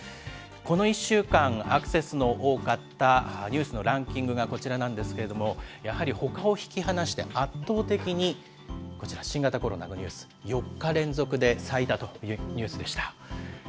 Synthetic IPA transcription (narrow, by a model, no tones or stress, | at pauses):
ko̞no̞iɕːɨːkãŋakɯ̟̥se̞sɨno̞ʔoːkat̪ːaɲ̟ɨːsɨno̞ɾãŋkʲĩŋɡɯ̟ɡako̞t͡ɕiɾanãnd̪e̞sɨ̥ke̞ɾe̞d̪o̞mo̞jahaɾʲiho̞kao̞çi̥kʲihanaɕi̥t̪e̞̰ʔat̪ːo̞ːt̪e̞kʲiɲ̟i | ko̞t͡ɕiɾaɕĩŋɡat̪ako̞ɾo̞̰na̰ɡoɲʲɨ̰ːsɨ̥jo̞kːaɾẽ̞nzo̞kɯ̟d̪e̞sait̪at̪o̞jɯ̟ɲ̟ɨːsɨd̪e̞ɕi̥t̪ḁ